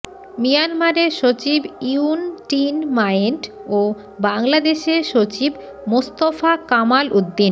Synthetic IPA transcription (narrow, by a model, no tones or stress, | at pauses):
mijanmaɾeɾʃot͡ɕibiunʈinmajeɳʈo | baŋlad̪eʃeɾʃot͡ɕib | most̪ofakamalʔud̪ːin